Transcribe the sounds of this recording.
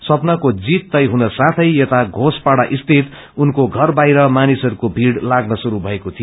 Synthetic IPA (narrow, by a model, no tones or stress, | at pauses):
sʌpnʌkod͡zit̪ːʌjɦunʌsãt̪ʰʌjet̪aɡʱospaɽaʔist̪ʰit̪ | unkoɡʱʌrbajɾʌmanisʌɾukobʱiɽlaɡnʌsuɾubʱʌekot̪ʰijo